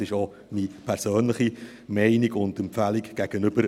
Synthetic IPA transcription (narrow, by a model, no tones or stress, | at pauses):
ɪʃo | mipʰæɾsøːnləχi | mɛɪniɡʊndɛmpfæliɡɡ̥æɡ̥ənʏb̥əɾ